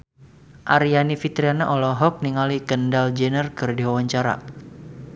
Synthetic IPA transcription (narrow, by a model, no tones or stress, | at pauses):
ʔaɾijanifit̪ɾianaʔɔlɔɦɔk̚niŋalikəndald͡ʒɛnərkərdiwawaɲt͡ʃaɾa̰